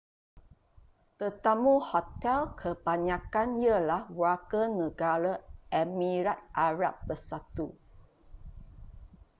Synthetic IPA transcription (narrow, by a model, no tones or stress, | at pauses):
t̪ət̪amuhɔt̪ɛlkʰəbaɲãkanjəlahwakənəɡaɾəʔɛmĩɾat̪̚ʔaɾap̚bəsat̪u